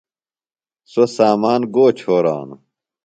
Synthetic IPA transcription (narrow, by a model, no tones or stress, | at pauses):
sosaːmaːnɡoːt͡ɕʰoːɾa̰ːnu